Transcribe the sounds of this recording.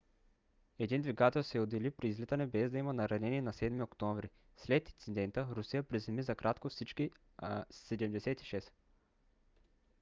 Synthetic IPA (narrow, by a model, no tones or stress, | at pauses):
ɛd̪ind̪viɡat̪ɛlˠsɛod̪ɛlipɾiːzlit̪ɐnɛbɛzd̪ɐimənɐɾɐnʲɛniɛnɐsɛd̪miokt̪ɔɱvɾi | slɛd̪̚int̪sid̪ɛnt̪əɾusijəpɾizɛmizɐkɾat̪kofsit͡ʃki | ɛd̪ɛmd̪ɛsɛt̪i̥ʃɛs